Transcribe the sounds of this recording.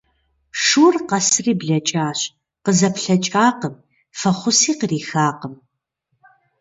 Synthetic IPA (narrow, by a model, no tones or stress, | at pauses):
ʂuːrqɐsɨriːbɮɐt͡ʃʼaːɕ | qəzɐpɬɐt͡ʃʼaːqəm | fɐχʷʊsiːqəriːxaːqəm